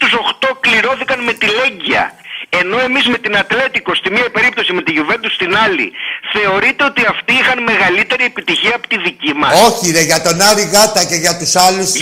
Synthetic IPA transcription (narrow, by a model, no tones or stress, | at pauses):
t̪uso̞xt̪o̞kliɾo̞θikɐnme̞t̪ile̞ɲɟiɐ̰e̞no̞e̞mizme̞t̪inɐt̪le̞t̪iko̞st̪imiɐpe̞ɾip̚t̪o̞sime̞t̪iʝuve̞nd̪ust̪inɐlḭθe̞o̞ɾit̪eo̞t̪iɐft̪iixɐnme̞ɣɐlit̪e̞ɾie̞pit̪içiɐːpo̥t̪iðicimɐo̞çineʝɐt̪onɐɾiɣɐt̪ɐce̞ʝɐt̪usɐlus